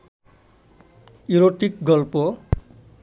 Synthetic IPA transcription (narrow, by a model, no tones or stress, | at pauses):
iɾoʈik̚ɡʌlpo